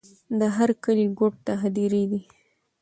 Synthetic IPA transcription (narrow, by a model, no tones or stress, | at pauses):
d̪əɦaɾkəliɡoʈ̚t̪aɦad̪iɾid̪i